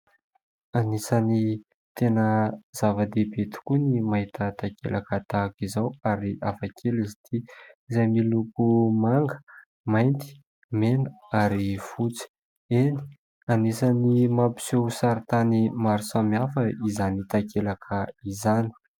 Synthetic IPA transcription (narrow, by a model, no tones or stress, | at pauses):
anisani | t̪enəz̥avad̪ebet̪u̥kunimaɦit̪ət̪akḛlʔakət̪akizawaɾiafakʰelizit̪iizajmilukumaŋɡə̥ | majnt̪i̥ | menə | aɾifut͡si̥ | eni̥ | anisanimapi̥sewsaɾit̪animaɾusamiafəizanit̪akelakʰəizani̥